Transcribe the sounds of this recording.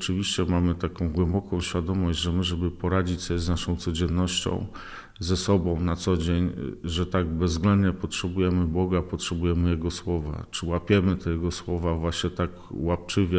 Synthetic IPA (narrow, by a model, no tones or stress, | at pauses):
t͡ʂɘvʲiɕt͡ɕɛmamɘt̪akɔ̃w̃ɡwɛmbɔkɔ̃w̃ɕfʲjad̪ɔmɔʑd͡ʑʐɛmɘʐɛbɘpɔɾad͡ʑit͡ɕsɔznaʂɔ̃w̃t̪sɔd͡ʑɛnːɔɕt͡ɕɔ̰̃w̃ | zɛsɔbɔ̃w̃nat̪sɔd͡ʑeɲʐɛt̪aɡ̚bɛzɡlɛnd̪ɲɛpɔtʂɛbujɛmɘbɔɡapɔtʂɛbujɛmɘjɛɡɔswɔva̰t͡ʂɘwapʲjɛmɘt̪ɛjɛɡɔswɔvavwaɕɲɛt̪ak | wap̚t͡ʂɘvʲjɛ